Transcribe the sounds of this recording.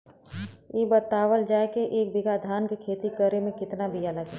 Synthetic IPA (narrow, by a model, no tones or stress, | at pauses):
jeːbət̪aːʋəld͡ʒaːekeʔeːk̚bɪɡad̪ʱaːnkekʰeːt̪ikəɾemẽkɪt̪nabijaləɡe